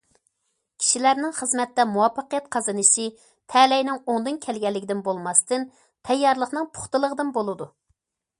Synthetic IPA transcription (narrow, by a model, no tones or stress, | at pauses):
kʲʰi̥ʃilæɾnɪŋχəzmɛt̪ːɛmuwɑpʰːəqəjɛt̪̚qʰɑzɨnɨʃi | t̪ʰɛlɛjnɪŋoŋd̪ɨnkʲʰɛlɡʲɛlːɪkʲɪd̪ɪnbolˠmɑst̪ɨn | t̪ʰɛjːɑɾlˠəχnɨŋpʰʊ̥χt̪ɨlˠəʁəd̪ɨnbolˠɨd̪u